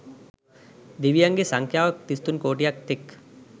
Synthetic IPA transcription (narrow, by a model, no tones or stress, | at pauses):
d̪iʋijɐŋɡesɐŋkʰjaːʋɐk̚t̪ist̪unkoːʈijɐk̚t̪ɪk